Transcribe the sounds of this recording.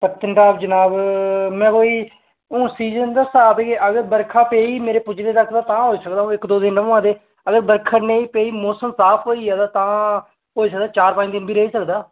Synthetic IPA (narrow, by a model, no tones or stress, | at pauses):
pət̪ənʈaːbd͡ʒənaːbmɛ̃ːkoːiː | õːsiːd͡ʒənd̪əsaːbekeʔəɡəɾbəɾkʰãːpeːiːmeːɾeːpʊd͡ʒɾeːt̪əkʰd̪aːt̪ãːɦoːiːsəkd̪aːõːɪkd̪oːd̪ɪnəãːd̪eː | əɡəɾbəɾkʰaneːiːpeːiːmoːsəmsaːpʰɦoːiːaːd̪aːt̪ãː | ɦoːiːsək̚d̪aːt͡ʃaːɾpãːɲd̪ɪnbʱiːɾəɦiːsəkd̪aː